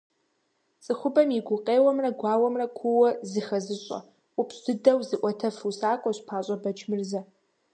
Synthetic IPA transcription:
t͡sʼɨxʷʊbɐmjɪɡʷʊqʼeːwɐmrɐɡʷɑːwɐmrɐkʷʰʊwɔzɨxɐzɨɕʼɐ̰ | upsɨdɐwzɨʔʷɔtʰɐfusaːkʷʼɔɕpʰaːɕʼɐbɐt͡ʃʰmɨrzɐ

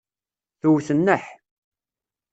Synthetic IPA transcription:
θuwθənːəħ

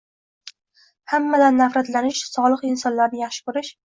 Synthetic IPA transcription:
hamːad̪anːafɾat̪lanɪʃsɒlˠɨqɪnsɒnlaɾnɪjɑχʃɪ̥kɵɾɪʃ

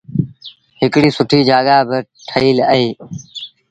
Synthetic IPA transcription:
ɦɪkɽiːsʊʈʰiːd͡ʒaːɠaːbɪʈʰəiːləɦeː

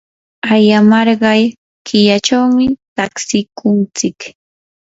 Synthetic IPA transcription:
ajamɑɾɢɑj | kɪjat͡ʃawmɪt̪aksɪkʊnt͡sɪk

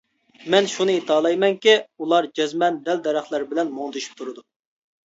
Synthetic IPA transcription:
mɛnʃunɨit̪ʰɑːlˠɑjmɛŋkʲiulˠɑɾd͡ʒɛzmɛnd̪ɛld̪ɛɾæχlˠæɾbɪlɛnmoŋd̪ɨʃy̥p̚t̪ʰuɾɨd̪u

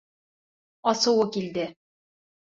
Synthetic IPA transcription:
ɒsɤ̆wɤkild̪ɘ

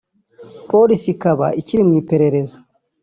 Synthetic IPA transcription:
po̞lisikaβa̰iciɾimŋiːpe̞ɾe̞ɾe̞zḁ

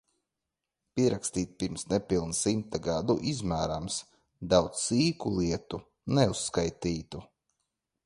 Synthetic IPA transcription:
pʲiɛɾakst̪iːt̪̚piɾmsnɛpilˠnsimt̪aɡad̪uʔizmæːɾams | d̪awt̪ssiːkulˠiɛt̪u | nɛusːkajt̪iːt̪u

